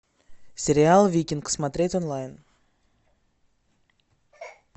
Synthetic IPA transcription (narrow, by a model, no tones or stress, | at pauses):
sʲeɾʲɪalˠvʲikʲinksmat̪ɾʲet̪ʲonlˠajən